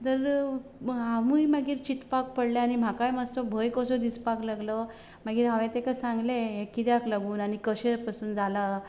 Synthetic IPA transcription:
t̪əɾ | ɦãʋujmaɡiːɾt͡ɕit̪pak̚pəɽlaañim̤akajməssɔbʱəjkɔsɔd̪ispaklaɡlɔ | maɡiːɾɦaʋɛt̪ekasãŋɡleekːit̪jaklaɡuːnañikəɕepasuːnd͡zʱala

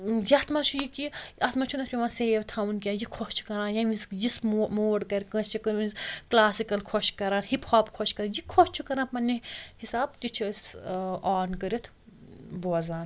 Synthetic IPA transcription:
jɐt̪ʰmɐt͡ʃʰujikiɐt̪mɐt͡ʃʰunɐt̪ʰpʲiʋãːseːʋt̪ʰaːunkʲjãːjikʰost͡ʃʰu̥kɐɾãːnjaʋizjismmoːɖkɐɾʲkɐ̃st͡ʃʰikɐĩzklaːsikɐlkʰoʃkɐɾãːnhipʰɔːbkʰɔʃkɐɾaːnjikʰost͡ʃʰukɐɾaːpɐnːihisaːb̚t̪it͡ʃʰisaːnkəɾit̪ʰ | bozaːn

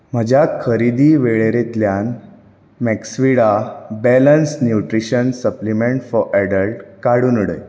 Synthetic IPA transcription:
m̤əd͡ʑʱjakʰəɾid̪iːʋeɭeɾet̪ljan | mɛksʋiɽabɛlənsnjuʈɾiɕənsəplimẽɳʈfɔɾʔæɖəlʈkaɽuːnuɽə̰j

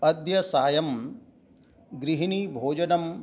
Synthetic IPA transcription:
ɐd̪jɐsaːjɐm | ɡɾiɦinibʱoːd͡ʒɐnɐm

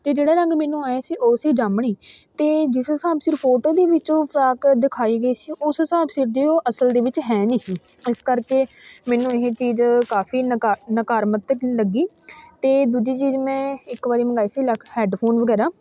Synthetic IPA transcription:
t̪eːd͡ʒeːɽaːɾəŋɡmɛ̃ːnũːaːjaːsiːʔoːsiːd͡ʒaːmɳ̃iːt̪eːd͡ʒɪsɦəsaːbsɪɾpʰoːʈoːd̪eːʋɪt͡ʃõːpʰɾaːkd̪ɪkʰaːiːɡəiːsiːʔʊsɦəsaːbsɪɾd̪eːoːʔəsəld̪eːʋɪt͡ʃɦɛːniːsiːɪskəɾkeːmɛ̃ːnũːɪɦeːt͡ʃiːzkaːpʰiːnnəkaːɾmət̪ːləɡiː | t̪eːd̪uːd͡ʒiːt͡ʃiːzmɛ̃ːɪkbaːɾiːməɡaːiːsiːləhɛːɖpʰoːnʋəɡɛːɾaː

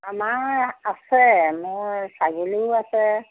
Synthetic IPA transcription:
amaasɛmɔ̃saɡiluasɛ

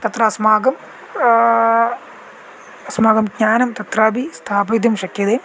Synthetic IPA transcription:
t̪ɐt̪rɐsmaːɡɐm | smaːɡɐmɡɲaːnɐmt̪ɐt̪raːbist̪ʰaːbɐd̪jɐmʂɐkjɐðeːm

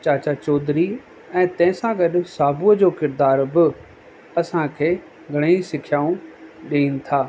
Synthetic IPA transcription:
t͡ɕaːt͡ɕat͡ɕɔːd̪ɾi | ɛ̃ːt̪ɐ̃ɦɪ̃sãɡɐɗsaːbuəd͡ʑoːkɪɾd̪aːɾbɪ | ɐsãkʰeː | ɡʱɐɽ̃eisɪkʰjaːũɗeiːnɪ̆t̪ʰaː

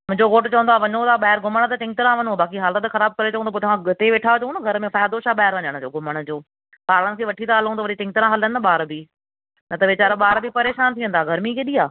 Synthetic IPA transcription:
mʊ̃ɦɪ̃ɲd͡ʑoɡoːʈt͡ɕɐʋə̃nd̪aːʋɐɲõt̪aːɓaːɦɪɾɡʱʊməɽ̃t̪ɐt͡ɕɪ̃ŋt̪ɪɾãʋɐɲõbaːkiɦaːlət̪xɐɾaːb̚kɐɾet͡ɕɐʋə̃nd̪opot̪ɐʋãɡʊt̪eʋeʈʰat͡ɕɐũnɡʱɐɾmẽfaːjd̪oʃaːɓaːɦɪɾʋɐɲəɽ̃ʊd͡ʑoːɡʱʊməɽ̃ʊ̆d͡ʑoː | paːɾɽə̃ɽ̃sĩʋɐʈʰit̪aɦɐlũt̪ɐʋɐɗit͡ɕɪ̃ŋt̪ɪɾãɦɐlənɪɓaːɾbʱi | nɐt̪ɐʋɪt͡ɕaːɾɓaːɾbʱipɐɾeːʃaːnt̪ʰijə̃nd̪aːɡʱɐɾmikʰeːɗiːaː

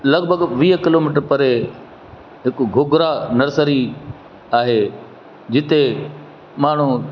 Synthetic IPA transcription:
lɐɡbʱəɡʋiːɦkɪloːmiːʈəɾpɐɾe | ɦɪkʊɡʱʊɡɾanɐɾsəɾi | aːɦe | d͡ʑɪt̪e | maːɳ̤u

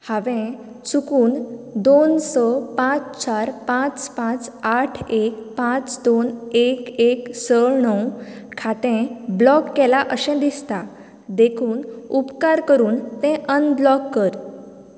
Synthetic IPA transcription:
haʋẽ | t͡sukuːnd̪onsəpãt͡st͡ɕaɾpãt͡spãt͡saʈʰekpãt͡sd̪onekeksəɭɳəw | kʰat̪ẽblɔkːɛlaʔəɕɛ̃d̪ist̪a | d̪ekʰuːnupkaɾkəɾuːnt̪ɛ̃ʔənblɔkːəɾ

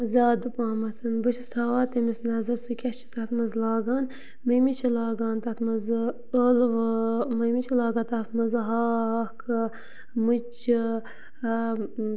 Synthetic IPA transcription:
zʲaːd̪ɨpaːmɐt̪ʰɨnbɨt͡ʃʰist̪ʰaːʋaːt̪ɐmisnɐzɐɾsɨkʲɐt͡ʃʰi̥t̪ɐt̪mɐzlɑːɡaːn | mɐmit͡ʃʰilɑːɡaːnt̪ɐt̪mɐz | əlʋmɐmit͡ʃʰilaːɡaːnt̪ɐt̪mɐzɦɑːkʰɨ | mɨt͡ʃi

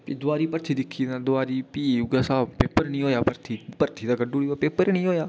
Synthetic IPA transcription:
pid̪ʊaːɾiːpəɾt̪ʰiːd̪ɪkʰːiːãːd̪ʊaːɾiːpiːuɡaːsaːpeːpəɾnĩːɦoːjaːpəɾt̪ʰiːpəɾt̪ʰiːd̪aːɡəɖuːɽiːaːpeːpəɾnĩːɦoːjaː

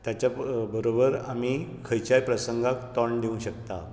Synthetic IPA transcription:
t̪jat͡ɕjabəɾobəɾamiːkʰəjt͡ɕajpɾəsəŋɡakt̪ɔɳɖ̪iũɕəkt̪a̰

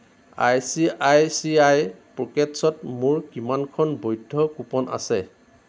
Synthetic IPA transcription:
ajsiajsiajpɹɔkɛtsɔtmuɹkimankʰɔnbojdʱːɔkupɔna̰sɛ

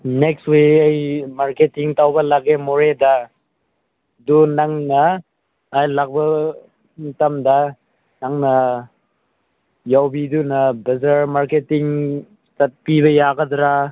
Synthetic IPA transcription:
nekstweɐjmaɾketiŋtawbɐlaɡemɔɾeda | dunaŋnɐː | jlak̚bɐ | mitamda | naŋnɐ | jawbidunɐbɐzaɾmaɾketiŋ | tɐt̚piβɐjaɡɐdɾa

